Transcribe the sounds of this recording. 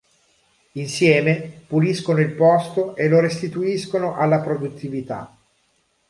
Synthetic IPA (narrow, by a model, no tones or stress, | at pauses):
insjɛːmepuliskonoilpɔst̪oʔelːoɾest̪it̪uiskonoʔalːapɾod̪ut̪ʰːivit̪a̰